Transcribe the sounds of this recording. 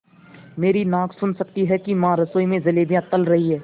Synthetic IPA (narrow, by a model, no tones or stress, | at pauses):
meːɾinãːkʰsʊnsɐk̚t̪iɦɛkimãɾɐsoːimẽzɐleːb̪ijãt̪ɐlɾɐɦiɦɛː